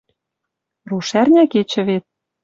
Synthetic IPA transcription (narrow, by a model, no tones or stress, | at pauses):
ruʃærnʲæket͡ɕɘ̆βet̪̚